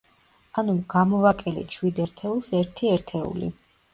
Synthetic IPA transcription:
anuɡ̥amɔvakʼɛlḭt͡ʃʰwid̪ɛɾt̪ʰɛulˠsɛɾt̪ʰiɛɾt̪ʰɛṵlḭ

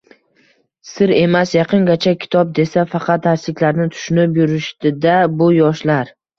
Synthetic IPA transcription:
sɪɾe̞masjɑqʰɨŋɡʲat͡ʃʰakʲʰɪ̥t̪ʰɒp̚d̪e̞safɑqʰɑt̪̚d̪aʃlɪkʲlaɾnɪt̪ʰʊ̥ʃʊnɪpjʊɾɪʃt̪ɪd̪abʊjɒʃlaɾ

